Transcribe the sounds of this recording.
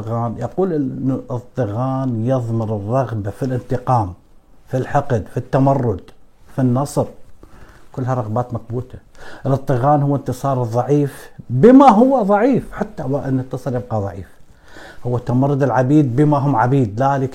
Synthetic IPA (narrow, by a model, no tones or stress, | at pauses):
ɣaːnjɑquːlʔɪnːɨsˤt̪ˤɨɣaːnjɨðˤmɪɾɨrˤːɑɣbafilʔɪnt̪ɪqɑːm | filħɑqd̪fit̪ːamɑrːʊd̪finːɑsˤɾ | kʊlːhaɾˤɑɣbaːt̪mak̚buːt̪ʰaʔɪlɨt̪ːˤɨɣaːnhʊwːɪnt̪ɨsˤɑːɾˤɨðˤːɑʕiːfbɪmaɦʊwːaðˤɑʕiːfħat̪ːawaʔnnt̪ːɨsˤɑɾˤjɪb̚qɑðˤɑ̰ʕiːf | hʊwːat̪ːamɑrˤːʊd̪ɪlʕabiːd̪̚bɪmaɦʊmʕabiːd̪laːlɪk